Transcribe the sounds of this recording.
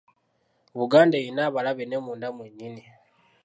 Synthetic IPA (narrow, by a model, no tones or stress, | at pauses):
βuɡaːndejinaβalaβenemuːndamweɲini